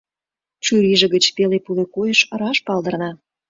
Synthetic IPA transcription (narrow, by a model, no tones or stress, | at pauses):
t͡ɕyɾiʒĕɣət͡ɕpelepulekujəʃɾɑʃpɑld̪ə̆rnɑ